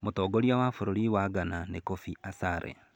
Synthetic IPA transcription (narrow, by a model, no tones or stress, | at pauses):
motɔːɡoɾjawafoɾoɾiwaɡananekofiasaːɾḛ